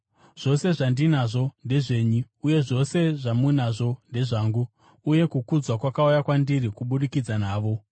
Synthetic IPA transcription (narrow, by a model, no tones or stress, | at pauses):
ʐ̥o̞se̞ʐandinaʐo̞nde̞ʐe̞ːɲuːje̞ʐo̞se̞ʐamunaʐo̞nde̞ʐaːŋɡuː | je̞kukud͡zwakwakaujakwandirikuɓuɗikid͡zanaːʋo̞